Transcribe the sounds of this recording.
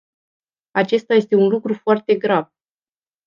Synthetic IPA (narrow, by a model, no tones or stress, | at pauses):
at͡ʃe̞st̪aje̞st̪e̞unlukɾufoart̪e̞ɡɾav